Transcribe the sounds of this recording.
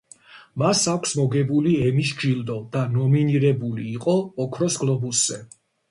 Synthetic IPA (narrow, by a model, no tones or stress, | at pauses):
masakʷʰsmɔɡɛbuliɛmiʃ̬d͡ʒild̪ɔd̪̥anɔminiɾɛbuliːqʼɔːkʰɾɔsɡlˠɔbusz̥ɛ